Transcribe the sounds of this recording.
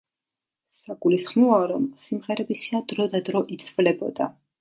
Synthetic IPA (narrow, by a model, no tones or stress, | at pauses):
saɡulisχmɔaɾɔmsimʁɛɾɛbisad̪ɾɔd̪ad̪ɾɔʔit̪sʰʼvlɛbɔ̰d̪a